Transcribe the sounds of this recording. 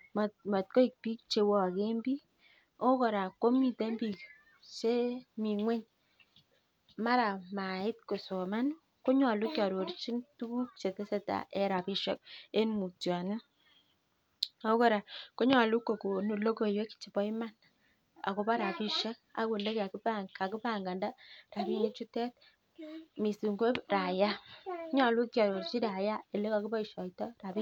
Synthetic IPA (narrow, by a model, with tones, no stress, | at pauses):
mma˨t̚ko˦i˨k̚pi˦k̚t͡ʃe˨wo˦a˨ke˦mbi˦ | o˦ko˨ɾa˨ko˦mi˨te˦mbi˨k | t͡ʃe˦mi˨ŋwɛ˦ɲ | ma˦ɾa˨ma˨ɪ˦t̚ko˨so˨ma˦n | ko˦ɲa˨lu˦kja˨ɾo˨ɾt͡ʃi˦ntu˦ku˦k̚t͡ʃe˨te˦se˦ta̰˨ʔe˦ɾa˨pi˦ʃa̰˦k̚e˦nmu˨tja˨nɪ˦ | a˦ko˦ɾa˨ko˦ɲɔ˨lu˦kːo˨ko˨nu˨lo˦ko˨jwe˦kt͡ʃi˨bɔ˦i˦ma˦n | a̰˨ko˨pa˦ɾa˨pi˦ʃɛ˦ka̰˦ku˨nde˦ka˨ku˦paka˨ku˦pa˦˨ŋɡa˨nda˦ra˨bi˦ne˦t͡ʃu˦tɛ˦t̚ | mi˨su˨ŋɡo˦ra˨ja˦kɲa˨lu˦kja˨ɾo˨ɾt͡ʃi˦ɾa˨ja˦e˨le˦ka˨ku˦bɔ˦i˨ʃɔ˨jtɔ˦ra˨pi˦